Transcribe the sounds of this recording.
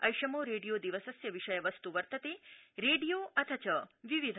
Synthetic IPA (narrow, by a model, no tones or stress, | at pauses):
ɐ̰jʃɐmoːɾeːɖijod̪iʋɐsɐsjɐʋiʂɐjɐʋɐst̪uʋɐɾt̪ɐt̪eːɾeːɖijoːʔɐt̪ʰɐt͡ʃɐʋiʋid̪ʱ